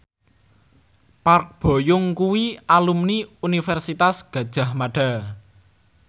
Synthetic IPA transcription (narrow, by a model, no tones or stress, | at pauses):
park̚b̥o̤jʊŋkuwialumniunifɛrsit̪asɡ̥ä̤d̥ʒ̥a̤hmaɖ̥a̤